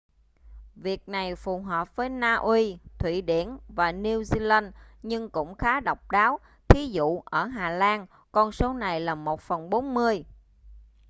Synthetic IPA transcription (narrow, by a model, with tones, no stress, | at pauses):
vi˨˩ək̚na˨˩jfu˨˩ɦəː˨˩p̚vəː˨˦jnaː˧ʔwi˧t̪ʰwḭ˧˩ɗḭ˧˩ənvaː˨˩ni˧əwzi˧laː˧nɲɨ˧ŋkʊ̰˧˥ŋ͡mxaː˨˦ɗə˨˩wk͡p̚ɗaː˨˦w | t̪ʰi˨˦zṵ˧˨ʔəː˧˩ɦaː˨˩laː˧n | kɔ˧nso˨˦na˨˩jlaː˨˩mo˨˩t̚fə˨˩nɓo˨˦nmɨ˧əj